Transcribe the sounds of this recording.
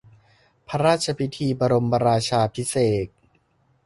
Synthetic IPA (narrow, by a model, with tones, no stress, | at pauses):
pʰa˦˥ɾaː˥˩t̪̚t͡ɕʰa˧pʰi˦˥t̪ʰiː˧ba˧ɾo˧mba˧ɾaː˧t͡ɕʰaː˧pʰi˦˥seː˨˩t̪̚